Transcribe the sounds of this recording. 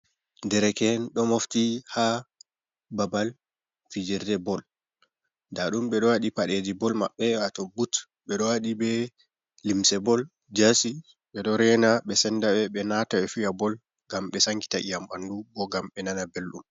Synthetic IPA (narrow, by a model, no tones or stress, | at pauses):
ndɛɾɛkɛnɗɔmoftiha | babal | fid͡ʒiɾdɛbɔl | daɗumɓɛɗɔwaɗipaɗed͡ʒibɔlma̰ɓːɛatɔbut | ɓɛɗɔwaɗibɛ | limsɛbɔl | d͡ʒasi | ɓɛɗɔɾɛnaɓɛsɛndaɓɛɓɛnataɛfijabɔl | ɡamɓɛsaŋki̥taʔijamandubɔɡamɓɛnanabelɗṵm